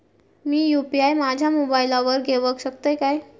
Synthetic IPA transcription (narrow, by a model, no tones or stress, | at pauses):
miːjupiajmad͡ʑʱamobajlaʋəɾɡʱeʋəkɕəkt̪ajkaj